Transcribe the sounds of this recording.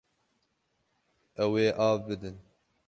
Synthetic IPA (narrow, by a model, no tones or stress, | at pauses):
ʔɛweːʔɑːvbɨd̪ɨn